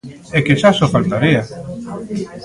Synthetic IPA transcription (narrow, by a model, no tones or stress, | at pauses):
ɛkeʃasofalt̪aɾia